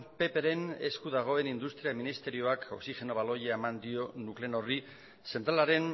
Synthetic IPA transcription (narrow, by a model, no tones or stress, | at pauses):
pe̞pe̞ɾe̞ne̞̰skuðaɣ̞o̞e̞nind̪ust̪ɾiaminist̪e̞ɾio̞ako̞ksiʝe̞no̞βalo̞jeaemand̪io̞nukle̞no̞ri | se̞nt̪ɾalaɾe̞n